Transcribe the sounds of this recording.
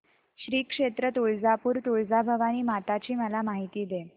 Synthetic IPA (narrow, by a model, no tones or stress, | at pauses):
ɕɾiːkʂet̪ɾət̪uɭd͡zapuːɾt̪uɭd͡zabʱəʋañiːmat̪at͡ɕiːməlamaɦit̪iːd̪e